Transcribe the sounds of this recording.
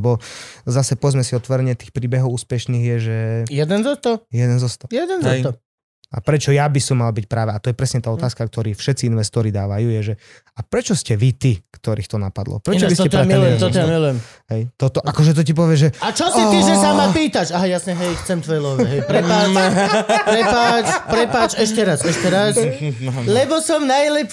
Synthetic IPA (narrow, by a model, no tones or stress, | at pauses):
bɔzasɛpɔʋɛd͡zmɛsiɔt̪ʋɔɾɛɲɪɛt̪iːxpɾiːbɛɦɔʊuːspɛʃniːɣjɛʒɛjɛd̪ɛnzɔt̪ɔjɛd̪ɛnzɔst̪ɔjɛd̪ɛnzɔɛj̪ɔ | a̰pɾɛt͡ʃɔjabisɔmːalbicpɾaːʋɛat̪ɔjɛpɾɛsɲɛt̪aːɔt̪aːskak̚t̪ɔɾiːfʃɛt̪t͡siinʋɛst̪ɔɾid̪aːʋajuːjɛʒɛ | apɾɛt͡ʃɔscɛʋit̪ikt̪ɔɾiːxt̪ɔnapad̪lɔ̰pɾɛt͡ʃɔbist̪ɛt̪ɾɛmluɛmt̪ɔt̪ɔjamilujɛmɦɛjt̪ɔt̪ɔʔʔakɔʒɛt̪̬ɔcip̬ɔʋɪɛʒɛat͡ʃɔsiiʒɛsamapiːt̪at͡ʃaɦajasɲɛɦɛjxt͡sɛmt̪ʋɔjlɔaɦɛjpɾɛpaː | pɾɛpaːt͡ʃpɾɛpaːt͡ʃɛʃcɛɾasɛʃcɛɾas | lɛbɔsɔmnajlɛp